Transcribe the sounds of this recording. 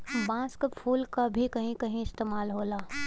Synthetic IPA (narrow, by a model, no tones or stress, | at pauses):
bãːskəpʰuːlkabʱikɐɦĩkɐɦĩɪst̪eːmaːlɦoːlaː